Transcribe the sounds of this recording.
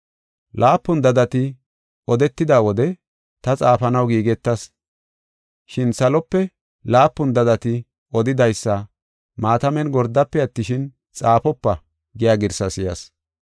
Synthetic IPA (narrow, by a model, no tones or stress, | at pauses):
lʔaːpːʊnd̪ɐd̪ɐt̪ɪ | ɔd̪ɛt̪ːɪd̪aːwɔd̪ɛ | t̪ɐt͡sʼaːfɐnɐwɡiːɡɛt̪ːɐs | ʃɪnsɐlɔpːɛ | laːpːʊnd̪ɐd̪ɐt̪ɪ | ʔɔd̪ɪd̪ɐjsːɐ | maːt̪ɐmɛnɡɔɾd̪ɐpːɛɐt̪ːɪʃɪn | t͡sʼaːpɔpːɐ | ɡɪjaːɡɪɾsɐsɪjɐs